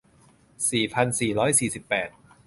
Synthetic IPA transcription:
siː˨˩pʰa˧nsiː˨˩ɾɔː˦˥jsiː˨˩si˨˩pːɛː˨˩t̪̚

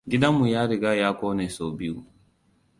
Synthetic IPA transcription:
ɡʲi˦da˦mːu˨jaː˦ɾi˨ɡaː˦jaː˦koː˦ne˨so˨bi˦ju˦

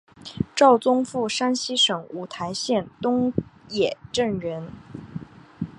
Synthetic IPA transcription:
ʈ͡ʂɑ˥˩ʊt͡sʊ˥ŋfu˥˩ʂa˥nɕi˥ʂɤ˨˩ŋu˨˩t̪ʰa˧˥ɪɕjɛ˥˩nt̪ʊ˥ŋjɛ˨˩ʈ͡ʂə˥˩ŋɻə˧˥n

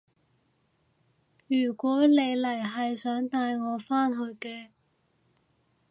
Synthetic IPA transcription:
jyː˨˩kʷɔː˨˥ne˨˧jlɐ˨˩jɦɐ˨jsœː˨˥ŋt̪aː˧jŋɔː˨˧faː˥nɦɵ˧ɥkɛː˧

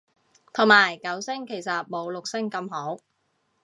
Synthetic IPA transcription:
t̪ʰʊ˨˩ŋmaː˨˩jkɐ˨˥wsɪ˥ŋkʰe˨˩jsɐ˨t̚mo˨˧wlʊ˨k̚sɪ˥ŋkɐ˧mɦo˨˥w

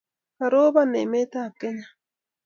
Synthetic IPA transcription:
kaɾoː˦bane˨me˦t̪a˨kːe˦ɲa

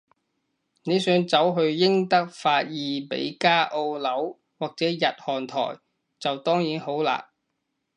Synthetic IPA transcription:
ne˨˧jsœː˨˥ŋt͡sɐ˨˥wɦɵ˧ɥjɪ˥ŋt̪ɐ˥k̚faː˧t̚jiː˨pḛ˨˥jkaː˥ʔo˧wlɐ˨˥w | waː˨˩k̚t͡sɛː˨˥jɐ˨t̚hɔː˨˩nt̪ʰɔ̰ː˨˩j | t͡sɐ˨wt̪ɔː˥ŋjiː˨˥nho˨˥wla̰ː˧

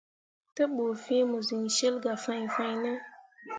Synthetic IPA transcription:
tə˦ɓo˨fi˦mə˨zi˨ŋʃe˦lɡa˨fa˧ɲfa˧jnə˦

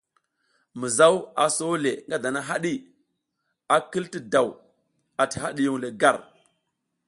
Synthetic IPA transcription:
mi˨za˦wa̰˨so˦le˨ŋɡa˦da˨na˦ɦa˦ɗi˦ | a˨ki˦lti˦da˨w | a˨ti̥˨ɦa˦ɗi˦ju˦ŋle˨ɡa˦˨ɾ

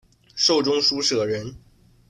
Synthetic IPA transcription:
ʂo˥˩ʊʈ͡ʂʊ˥ŋʂu˥ʂɤ˨˩ɻə˧˥n

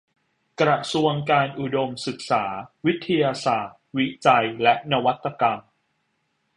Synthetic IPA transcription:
kɾa˨su˧əŋkaː˧nʔu˨˩do˧msɯ˨˩k̚saː˩˦wi˦˥t̪ʰːa˧jaː˧saː˨˩t̪̚wi˦˥t͡ɕa˧jlɛ˦˥ʔna˦˧wa˦˥t̪ːa˧ka˧m

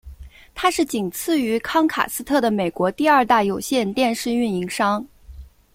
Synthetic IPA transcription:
t̪ʰa˥ʂɻ̩˥˩t͡ɕi˨˩ŋt͡sʰɹ̩˥˩y˧˥kʰɑ˥ŋkʰa̰˨˩sɹ̩˥t̪ʰɤ˥˩d̪ə˩me˨˩ɪkwɔ˧˥t̪i˥˧ɐ˞˥˧t̪a˥˩jo˨˩ʊɕjɛ˥˧nt̪jɛ˥˧nʂɻ̩˥˧y˥˩ni˧˥ŋʂɑ˥ŋ

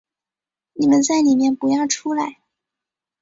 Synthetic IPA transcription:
ni˨˩mə˦nt͡sa˥˩ɪni˨˩mjɛ˥˩npu˧˥jɑ˥˩ʊʈ͡ʂʰu˥la˧˥˦ɪ

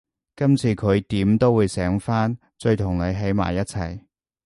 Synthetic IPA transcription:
kɐ˥mt͡sʰiː˨˧kʰɵ˨˧ɥt̪iː˨˥mt̪o˥wuː˨˧jsɛː˨˥ŋfaː˥n | t͡ʃɵ˧ɥt̪ʰʊ˨˩ŋle˨˧ɥɦe˨˥jma̰ː˨˩jːɐ˥t̚t͡sʰɐ˨˩j

